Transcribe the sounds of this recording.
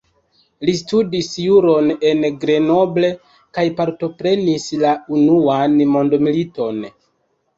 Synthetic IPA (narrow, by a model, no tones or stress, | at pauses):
listudisjuɾo̞ne̞nɡɾe̞no̞ble̞ | kajpaɾto̞pɾe̞nislaunuanmo̞ndomilito̞n